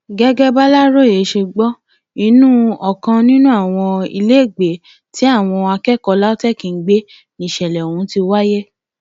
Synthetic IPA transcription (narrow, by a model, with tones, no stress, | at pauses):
ɡɛ˦ɡɛ˦ba˦la˦ɾo˦˨e˨˦ʃe˧ɡ͡bɔ˦ | i˧˦nũ˦ɔ˨kã˧nĩ˦nũ˦a˦˨w̃ɔ̃˧ḭ˧le˦e˦˨ɡ͡be˨ | ti˨˦a˦˨w̃ɔ̃˧a˧kɛ˦˨kɔ˧la˦o˦tɛ˦˨kĩ˨˦ɡ͡be˦ | nĩ˨ʃɛ˨lɛ˨o˨wũ˨˦ti˧wa˦je˦